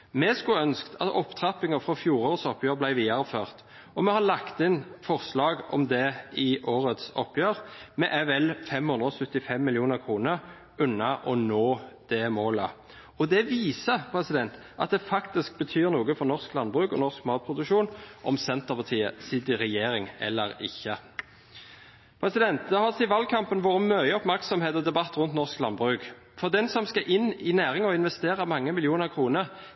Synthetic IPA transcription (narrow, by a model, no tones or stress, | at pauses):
mɛskʉœnskt̪ʰɑ̰t̪ɔpːt̪ʰʁɑpːɪŋəfʁɔfjuːɾoːɾsɔpːjøːɾblæɪʋiːɑɾəføːʁt̪ | ɔmɛhɑlɑkt̪ɪnfɔʁslɑːɡɔ̰md̪ɛɪʔoːɾət̪sɔpːjøːɾmɛʔæʋɛlfɛmhʉnʁəɔsʉt̪ːɪfɛmːɪljuːnəʁkʰɾuːnəʁ | ʉnːɑʔɔnoːd̪̥ɛmoːlə | ɔd̪ɛʋiːsəpʰɾɛsɪd̪ɛnt̪ | ʔɑ̰t̪̚d̪ɛfɑkt̪ɪsk̚bət̪ʰyːɾnuːɡəfɔʁnɔʁsklɑnbʁʉːkɔ̰nɔskmɑːt̪̚pʰɾʊd̪ʉkʃuːnʔɔ̰msɛnt̪əʁpʰɑt̪ʰiːəsɪd̪ɪʁɛjeːɾɪŋɛ̰lːəɾɪ̰çːə | pʰɾɛsɪd̪ɛnt̪̚d̪ɑhɑsɪʋɑlkʰɑmpənʋoːɾəmœʏəɔpmæʁksɔmheːt̪ɔd̪ɛbɑt̪ːɾʉnt̪nɔʁsklɑnbʁʉːk | fɔɾd̪ɛnsɔmskɑʔɪnːɪnæːʁɪŋɔɪnʋɛst̪eːʁəmɑŋːəmɪljuːnəʁkʰɾuːnəɾ